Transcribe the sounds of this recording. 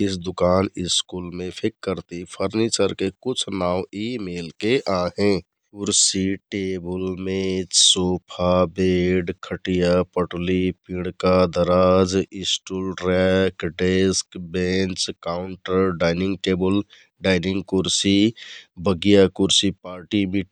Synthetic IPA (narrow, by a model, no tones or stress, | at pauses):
ɪsd̪ʊkaːnɪskulmẽpʰɪkːəɾt̪ipʰəɾnit͡ʃəɾkekʊt͡ʃʰnaːʊ̃imeːlkeʔaɦẽ | kʊɾsiʈeːbəlmẽsoːpʰabeɖkʰəʈijapəʈlipĩɽ̃kad̪əɾaːd͡ʒɪsʈulɾɛkɖeskbent͡ʃkaʊɳʈəɾɖaːɪnɪ̃ŋɡ̚ʈeːbəl | ɖaːɪnɪ̃ŋɡkʊɾsibʱəɡijakʊɾsipaːɾʈimi